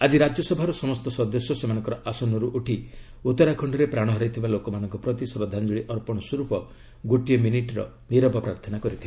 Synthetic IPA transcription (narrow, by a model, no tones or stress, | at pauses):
ad͡ʒiɾad͡ʒjɔsɔbʱaɾɔsɔmɔst̪ɔsɔd̪ɔsjɔsemanɔ̃ŋkɔɾɔʔasɔnɔɾuʔuʈʰi | ut̪ɔɾakʰɔɳɖɔɾepɾaɽ̃ɔɦɔɾajt̪ʰibalokɔmanɔŋkɔpɾɔt̪isɔɾɔd̪ʱːand͡ʒuɭiʔɔɾpɔɽ̃ɔsuɾupɔ | ɡoʈijɔminiʈɾɔ̰ | niɾɔpɔpɾaɾt̪ʰɔnakɔɾit̪ʰiba